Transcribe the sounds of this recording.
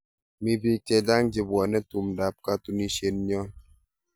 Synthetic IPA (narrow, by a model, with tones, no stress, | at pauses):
mi˦bi˦tɛ˦da˦ŋd͡ʒi˨bwɔ˨nɛ˦tu˨mda˨p̚ka˦tu˦ni˦sje˦nɲɔ˦n